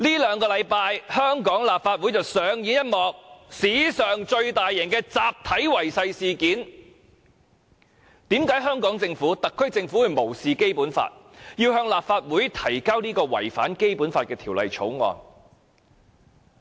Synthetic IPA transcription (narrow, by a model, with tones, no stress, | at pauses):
liː˥lœː˨˧ŋkɔː˧lɐ˨˧jpaː˧jhœː˥ŋkɔː˨˥ŋlaː˨p̚faː˧t̚wu˨˥jt͡sɐ˨wsœː˨˧ŋjiː˨˥jɐ˥t̚mɔː˨k̚siː˨˥sœː˨ŋt͡ʃɵ˧ɥt̪aː˨jːɛ˨˩ŋkɛː˧t͡saː˨p̚t̪ʰɐ˨˥jwɐ˨˩jsɐ˧jsiː˨kiː˨˥n | t̪iː˨˥mkaː˨˥jɦœː˥ŋkɔː˨˥ŋt͡sɪ˧ŋfuː˨˥t̪ɐ˨kʰːɵ˥ɥt͡sɪ˧ŋfuː˨˥wjmo˨˩wsiː˨ke˥jpuː˨˥nfa̰ː˧t̚jiː˧whœː˧ŋlaː˨˩p̚faː˧t̚wuː˨˥jt̪ʰɐ˨˩jkaː˥wniː˥kɔː˧wɐ̰˨˩jfa̰ː˨˥nke˥jpuː˨˥nfaː˧t̚kɛː˧t̪ʰiː˨˩wlɐ̰˨jt͡ʃʰo̰˨˥wŋɔ̰ː˧n